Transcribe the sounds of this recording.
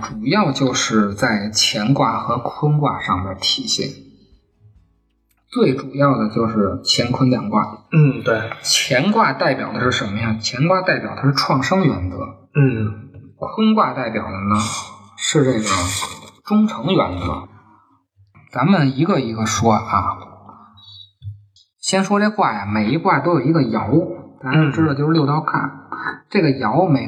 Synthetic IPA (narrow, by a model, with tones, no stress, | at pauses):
ʈ͡ʂu˨˩jɑ˥˧ʊt͡ɕjo˥˧ʊʂɻ̩˥˩˧t͡sa˥˩ɪt͡ɕʰjɛ˧˥nkwa̰˥˩xɤ˧˥kʰwə˥nkwa˥˧ʂɑ˥˩ŋd̪ə˩t̪ʰi˨˩ɕjɛ̰˥˩n | t͡swe˥˩ɪʈ͡ʂu˨˩jɑ˥˩ʊd̪ə˩t͡ɕjo˥˧ʊʂɻ̩˥˩t͡ɕʰjɛ˧˥nkʰə˥nt̪jɑ˨˩ŋkwa̰˥˩n̩˥˩t̪we˥˩ɪt͡ɕʰjɛ˧˥nkwa˥˧t̪a˥˩ɪpjɑ̰˨˩ʊd̪ə˦ʂɻ̩˥˩ʂə˧˥nmə˧jɑ˥˩ŋt͡ɕʰjɛ˧˥nkwa˥˧t̪a˥˩ɪpjɑ˨˩ʊt̪ʰʂɻ̩˥˩ʈ͡ʂʰwɑ˥˩ŋʂɤ˥ŋɥɛ˧˥ndə̰˧˦n̩˥˩kʰwə˥nkwa˥˧t̪a˥˩ɪpjɑ̰˨˩ʊd̪ə˦nə˧ | ʂɻ̩˥˧ʈ͡ʂe˥˩ɪɡə˩ʈ͡ʂʊ˥ŋʈ͡ʂʰɤ˧˥ŋɥɛ˧˥nd̪ə̰˩˧ | t͡sa˧˥nmə˧˨ni˧˥ɡə˧i˧˥ɡə˧ʂwɔ˥ɐ̰˥˩ | ɕjɛ˥nʂwɔ˥ʈ͡ʂe˥˧kwa˥˩jɐ˩me˨˩ɪi˧˥kwa˥˩t̪o˥jo˨˩ʊi˧˥ɡə˧jɑ˧˥ʊ˧˩t̪a˧˥˧ʈ͡ʂɻ̩˥˨˧t͡ɕjo˥˧ʊ˥˧ljo˥˧ʊt̪ɑ˥˧ʊkʰa̰˥˩nʈ͡ʂe˥˩ɡə˩jɑ˧˥ʊme˧˥ɪ